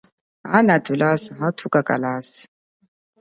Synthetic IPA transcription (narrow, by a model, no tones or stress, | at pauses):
anatʰʼulasaɦatʰukʼakʼa̰laːsi̥